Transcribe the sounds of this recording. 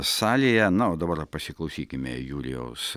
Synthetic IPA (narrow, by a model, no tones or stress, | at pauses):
sɑːlʲɪjɛnɐoːd̪ɐbɐrpɐsʲɪklˠɐʊsʲiːkʲɪmʲejuːlʲɪ̰jɛ̰ʊs